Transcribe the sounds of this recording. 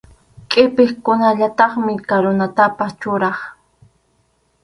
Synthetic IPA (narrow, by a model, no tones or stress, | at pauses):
kʼɪpɪχkʊnaʎat̪ɑχmɪkaɾonat̪apast͡ʃʊɾɑχ